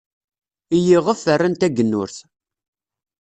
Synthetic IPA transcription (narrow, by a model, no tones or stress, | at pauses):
ijiʁəfːərːant̪æɡənːʊɾθ